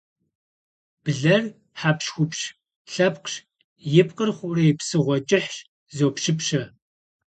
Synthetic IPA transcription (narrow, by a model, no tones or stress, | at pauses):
b̥ɨɮɐr | ħaːpʃxʷʊpɕ | ɬɐpqɕ | jɪp̚qərχʷʊrejpsɨʁʷɔt͡ʃʼɪħʂ | zoːpʃɪpɕɐ